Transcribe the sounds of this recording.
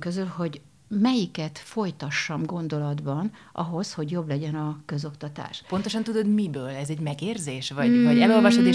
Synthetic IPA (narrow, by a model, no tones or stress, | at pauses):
køzylho̞ɟ | mɛjikɛt̪fo̞jt̪ɒʃːɒmɡo̞nd̪o̞lɒd̪bɒn | ɒ̰ɦo̞sho̞ɟjo̞blɛɟɛnɒkø̞zo̞kt̪ɒt̪a̰ːʃpo̞nt̪oʃɒnt̪ud̪o̞d̪mibøːlɛzɛɟmɛɡeːrzeːʃvɒvɒɟɛlo̞lvɒʃod̪e